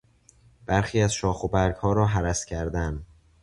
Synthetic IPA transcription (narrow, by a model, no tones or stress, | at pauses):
b̥æɾxiːæzʃɒːxobæɾɡhɒːɾɒːɦæɾæscʰæɾd̪æn